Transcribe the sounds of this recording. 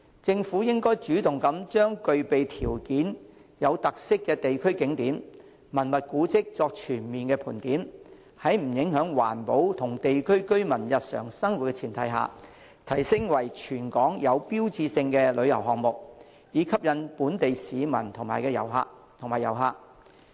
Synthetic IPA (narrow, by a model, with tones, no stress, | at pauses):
t͡sɪ˧ŋfu˨˥jɪ˥ŋkɔː˥jt͡ʃyː˨˥t̪ʊ˨ŋkɐ˨˥mt͡ʃœː˥ŋkɵ˨ɥpe˨jt̪ʰiː˨˩wkiː˨˥njɐ˨˧wt̪ɐ˨k̚sɪ˥kːɛː˧t̪e˨jkʰɵ˥ɥkɪ˨˥ŋt̪iː˨˥mː | mɐ˨˩nmɐ˨t̚kuː˨˥t͡sɪ˥k̚t͡sɔː˧k̚t͡ʃʰyː˨˩nmiː˨nkɛː˧pʰuː˨˩nt̪iː˨˥m | hɐ˨˥jm̩˨˩jɪ˨˥ŋhœː˨˥ŋwa̰ː˨˩npo˨˥wt̪ʰʊ˨˩ŋt̪e˨jkʰɵ˥ɥkɵ˥ɥmɐ˨˩njɐ˨t̚sœ̰ː˨˩ŋsɐ˥ŋwu˨t̚kɛː˧˥t͡sʰiː˨˩nt̪ʰɐ˨˥jɦa̰ː˨ | t̪ʰɐ˨˩jsɪ˥ŋwɐ˨˩jt͡ʃʰyː˨˩nkɔː˨˥ŋjɐ˨˧wpiː˥wt͡siː˧sɪ˧ŋkɛː˧lɵ˨˧ɥjɐ̰˨˩wɦɔː˨ŋ̚mʊ˨k̚ | jiː˨˧˥kʰɐ˥p̚jɐ˨˧npuː˨˥nt̪e˨jsiː˨˧mɐ̰˨˩nt̪ʰʊ˨˩ŋmaː˨˩jkɛː˧jɐ˨˩wɦa̰ː˧k̚t̪ʰŋmaː˨˩jɐ˨˩wɦaː˧k̚